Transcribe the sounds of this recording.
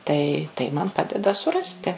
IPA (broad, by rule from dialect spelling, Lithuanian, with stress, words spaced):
tɐɪ tɐɪ ˈmɐn ˈpɑːdʲɛdɐ sʊˈrɑːsʲtʲɪ